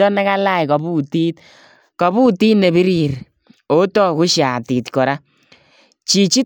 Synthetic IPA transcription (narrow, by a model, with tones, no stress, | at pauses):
ɔ˦na˦ka˦la˦jkɔ˨bu˦ti˦t | kɔ˨bu˦ti˦ne˨bi˦ɾi˨ɾ | o˨˦tɔ˦ku˦ʃja˨ti˨tkɔ˨ɾa˦ | t͡ʃi˨t͡ʃi˦